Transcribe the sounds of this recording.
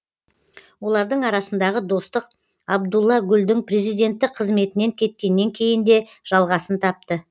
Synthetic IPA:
wo̞lˠɑɾd̪əɴɑɾɑsənd̪ɑʁəd̪o̞st̪əq | ɑbd̪ulˠːɑɡʲʏld̪ɪŋpɾe̞zijd̪ʲe̞nt̪ːɪqʰːəzme̞t̪ɪne̞ŋkʲʰe̞t̪̚kʲe̞nːe̞ŋkʲʰe̞jɪnd̪e̞ʒ̥ɑlˠʁɑsənt̪ʰɑp̚t̪ə

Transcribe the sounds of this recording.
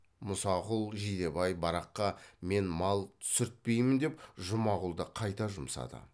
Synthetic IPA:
mʊsɑʁʊlˠʒid̪e̞bɑjbɑɾɑqːɑme̞nmɑlˠsʏɾt̪̚pe̞jmɪnd̪e̞pʒʊmɑʁʊlˠd̪əqʰɑjt̪ɑʒʊmsɑ̰d̪ə̰

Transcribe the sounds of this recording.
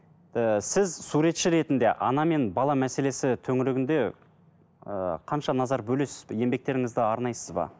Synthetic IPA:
əsɪzsuɾe̞t̪ʃɪɾe̞t̪ɪnd̪e̞̰ʔɑ̰nɑme̞nbɑlˠɑmæse̞le̞sɪt̪ʰɵŋɪɾɪɡʲɪnd̪e̞ | ə̰qʰɑnʃɑnɑzɑɾbɵle̞sɪzje̞mbe̞k̚t̪e̞ɾɪŋɪzd̪ɪɑɾnɑjsəzbɑ̰

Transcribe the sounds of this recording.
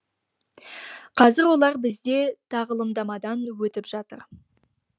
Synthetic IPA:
qʰɑzɪɾwo̞lˠɑɾbɪzd̪e̞t̪ʰɑʁəlˠəmd̪ɑmɑd̪ɑnwɵt̪ɪpʒ̥ɑt̪əɾ

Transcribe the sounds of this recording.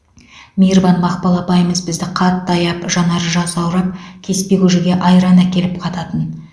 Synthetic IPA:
mʲijɾvɑnmɑqpɑlˠɑpɑjəməzbɪzd̪ɪqʰɑt̪ːɑjɑpʒɑnɑɾəʒɑsɑwɾɑp̚kʲʰe̞spe̞ɡʲuʒɪɡʲe̞ʔɑjɾɑnækʲe̞lɪpqʰɑt̪ɑt̪ən

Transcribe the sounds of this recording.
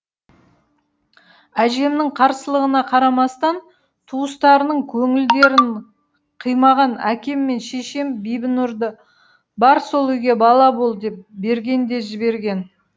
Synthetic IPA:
æʒe̞mnɪɴqʰɑɾsəlˠəʁənɑqʰɑɾɑmɑst̪ɑn | t̪ʰuəst̪ɑɾənəɴkʲʰɵŋɪld̪e̞ɾɪn | qʰəjmɑʁɑnækʲe̞mːe̞nʃe̞ʃe̞mbijbɪnʊɾd̪ə | bɑɾso̞lˠʏjɡʲe̞bɑlˠɑbo̞lˠd̪e̞p̚be̞ɾɡʲe̞nd̪e̞ʒɪbe̞ɾɡʲe̞n

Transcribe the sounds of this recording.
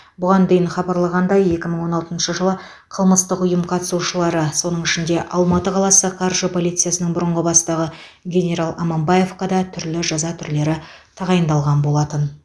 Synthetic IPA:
bʊʁɑnd̪e̞jɪnχɑbɑɾlˠɑʁɑnd̪ɑje̞kʲɪməɴwo̞nɑlˠt̪ənʃəʒəlˠə | qʰəlˠməst̪əqʊjəmqʰɑt̪ə̥suʃəlˠɑɾəso̞nəɴɪʃɪnd̪e̞ʔɑlˠmɑt̪əqʰɑlˠɑsəqʰɑrʒəpʰolˠijt̪sɨjasənəɴbʊɾəɴʁəbɑst̪ɑʁə | ɡʲe̞nʲe̞ɾalˠɑmɑmbɑje̞fqɑd̪ɑt̪ʰʏɾlɪʒɑzɑt̪ʰʏɾle̞ɾɪ | t̪ʰɑʁɑjənd̪ɑlˠʁɑnbo̞lˠɑt̪ən

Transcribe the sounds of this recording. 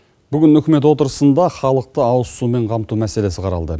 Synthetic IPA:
bʏɡʲɪnʏkʲɪme̞t̪̬wo̞t̪əɾəsənd̪ɑχɑlˠəq̚t̪əɑwəssume̞ɴqʰɑmt̪umæse̞le̞sɪqʰɑɾɑ̰lˠd̪ə

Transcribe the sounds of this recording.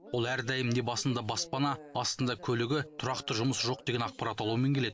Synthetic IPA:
wo̞lˠæɾd̪æjɪmd̪e̞bɑsənd̪ɑbɑspɑnɑɑst̪ənd̪ɑkʲʰɵlɪɡʲɪt̪ʰʊɾɑqt̪əʒʊməsʒo̞q̚d̪e̞ɡʲe̞nɑq̚pɑɾɑt̪ɑlˠuwəme̞ŋkʲʰle̞ɪ

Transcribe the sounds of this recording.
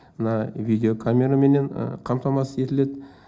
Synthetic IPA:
mənɑvʲijd̪ʲeo̞kʰamʲe̞ɾame̞ne̞ɴ̰qʰɑmt̪ɑmɑsəe̞t̪ɪle̞d̪

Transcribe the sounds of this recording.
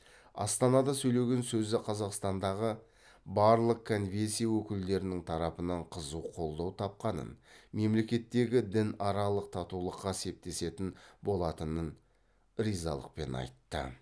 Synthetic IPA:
ɑ̰st̪ɑnɑd̪ɑsɵjle̞ɡʲe̞nsɵzɪqʰɑzɑqst̪ɑnd̪ɑʁə | bɑɾlˠəq̚kʰonvʲesijawɵkʲɪld̪e̞ɾɪnɪŋt̪ʰɑɾɑpənɑɴqʰəzuwqʰo̞lˠd̪ɑwt̪ʰɑp̚qɑnə̰nme̞mle̞kʲe̞t̪ːe̞ɡʲɪd̪ɪnɑɾɑlˠəq̚t̪ʰɑt̪ulˠəqːɑse̞p̚t̪e̞se̞t̪ɪnbo̞lˠɑt̪ənən | ɾijzɑ̰lˠə̰q̚pe̞̰nɑ̰jt̪ːə̰

